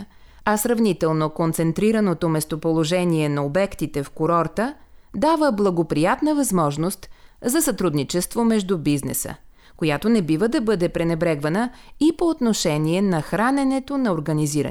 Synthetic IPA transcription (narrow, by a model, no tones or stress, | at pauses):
ɐsɾɐvnit̪ɛlˠnokont̪sɛnt̪ɾiɾənot̪omɛst̪opolˠoʒɛniɛnɐobɛkt̪it̪ɛfkoɾɔɾt̪əd̪avəblˠɐɡopɾijat̪nəvɐzmɔʒnost̪zɐsɐt̪ɾud̪nit͡ʃɛst̪vomɛʒd̪ubiznɛ̰sə̰ | kojat̪onɛbivəd̪ɐbɤd̪ɛpɾɛnɛbɾɛɡvɐnəipoːt̪noʃɛniɛnɐxɾanɛnɛt̪onɐoɾɡɐniziɾ̰